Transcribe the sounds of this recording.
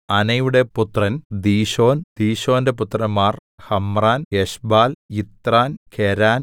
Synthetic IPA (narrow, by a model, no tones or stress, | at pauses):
ɐnɐjuɽe̞put̪rɐnd̪iːɕo̞ːnd̪̥iːɕo̞ːnde̞p̬ut̪rɐmːaːrhɐmraːnjeɕbaːlit̪raːnkʰeɾaːn